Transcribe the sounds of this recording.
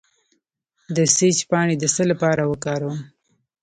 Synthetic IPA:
d̪əset͡ʃpɑɳed̪əsəlapɑɾawəkɑɾawəm

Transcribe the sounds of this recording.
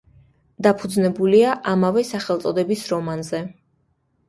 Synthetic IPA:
d̪apʰud̪znɛbuliaʔamavɛsaχɛlˠt̪sʼɔd̪ɛbisɾɔmanzɛ

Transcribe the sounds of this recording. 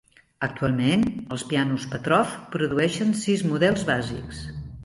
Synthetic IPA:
ək̚t̪ualˠmenəlˠspianuspət̪ɾɔfpɾuðuɛʃənsizmuðɛlˠzβazḭks

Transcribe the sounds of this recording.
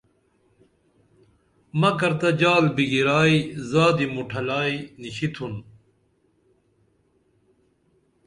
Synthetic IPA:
mɐkɐɾt̪ɐd͡ʑaːlbiɡiɾaːizaːd̪imuʈʰɐlaːiniɕit̪ʰun

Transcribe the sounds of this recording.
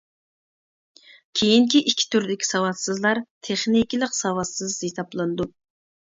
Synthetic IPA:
kʲʰejiŋkʲiʔikʲʰːi̥t̪ʰyɾd̪ɪkʲi̥sɑwɑt̪sɨzlˠɑɾt̪ʰeχnikʲilˠəqsɑwɑt̪sɨzesɑplˠɨnd̪u

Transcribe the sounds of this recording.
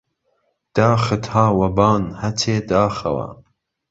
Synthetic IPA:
d̪̥ɑːxɨt̪haːwɐbɑːnhɐt͡sʰeːd̪ɑːxɐ̰wɐ̰

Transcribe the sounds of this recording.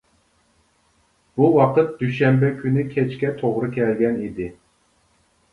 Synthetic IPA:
b̥uwɑqət̪̚d̪̥yʃɛmbɛkʲʰynɪkʲʰɛt͡ʃkʲɛt̪ʰoʁɾɨkʲʰɛlɡʲɛnid̪ɪ

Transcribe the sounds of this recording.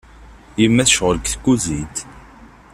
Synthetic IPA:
jəmːæθʃʁəlkθkuzid̪

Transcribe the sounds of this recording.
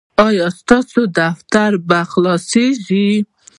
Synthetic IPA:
ɔjɔst̪ɔsud̪aft̪aɾbaxlɔsiʒi

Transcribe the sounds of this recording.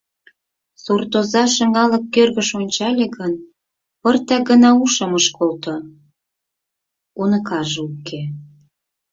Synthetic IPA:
surt̪ozɑʃə̆ŋɑlə̆kːørɣəʃonʲt͡ɕɑlʲeɣən | pərt̪ɑɡənɑuʃə̆məʃkolt̪o | unə̆kɑʒeukʰːe

